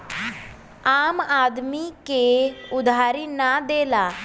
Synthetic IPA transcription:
aːmaːd̪miːkeːʊd̪aːɾiːnaːd̪eːlaː

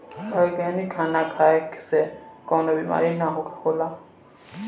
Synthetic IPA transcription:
ajɡɛnikʰanakʰaki̥sɛkɔwnɔbima̰ɾinaɦokʰkola

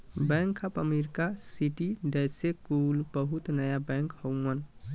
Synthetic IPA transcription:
bɛ̃ŋkʰapəmiɾkasiʈiɖɛsekulbəɦut̪nəjabɛ̃ŋkhowmən

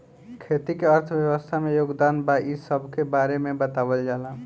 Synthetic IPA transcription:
kʰet̪ikeəɾt̪ʰəbjəbəst̪ʰamejoɡd̪anbaʔisəbʱkebaɾemebət̪abəld͡ʒalã

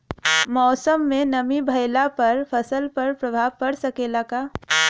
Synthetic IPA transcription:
mɔːsəmːẽnəmibʱəɪlapɐɾpʰəsəlpɐɾpɾəbʱaːʋkəɾsəkelakaː

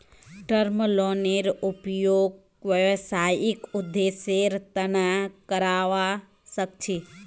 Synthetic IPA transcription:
ʈəɾməloneɾupjoɡ̚ | ʋjəʋsajikʊd̪ːeseɾt̪ənakəɾaʋa | sək̚t͡ʃʰe

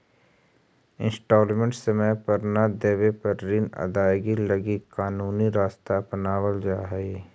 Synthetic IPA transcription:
ɪ̃nsʈoːlmẽɳʈsəməjpɐɾnad̪eːʋepɐɾːiːnɐ̰d̪aːjɡilɐɡikaːnuːniɾaːst̪apənaːʋəld͡ʒaːɦeː

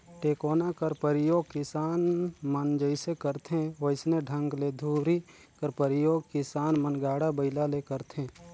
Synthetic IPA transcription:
ʈeːkoːnakəɾpəɾɪjoːɡ̚kɪsaːnmənd͡ʒəɪsekəɾt̪ʰẽʋəɪsneɖʱə̃ŋɡled̪ʱuːɾi | kəɾpəɾɪjoːɡkɪsaːnmənɡaːɽabəɪlalekəɾt̪ʰẽː

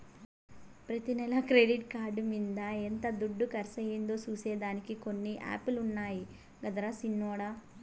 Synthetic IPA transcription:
pɾɐt̪inɛlɐkɾeɖiʈkaːɾɖumind̪ɐent̪ɐd̪uɖːukɐɾɐsɐjind̪o̞ːt͡ʃuːsɛːd̪aːnikiko̞nːiʔa̰ːpulunːaːji | ɡɐd̪ɐɾɐsinːɔːɽa

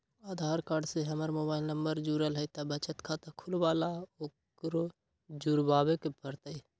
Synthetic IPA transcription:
aːd̪ʱaːɾkaːɾɖseɦəmaɾmoːbaːɪlnəmbəɾd͡ʒuːɾəlɦəit̪abət͡ʃət̪kʰat̪akʰʊlbaːlaok | ɾo | d͡ʒuɾbaːbekepəɾt̪əi

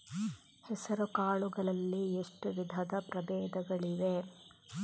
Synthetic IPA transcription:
hɛsɐɾukaːɭuɡɐɭɐlːieʂʈuʋid̪ʱɐd̪ɐpɾɐbɛːd̪ɐɡɐɭiʋe

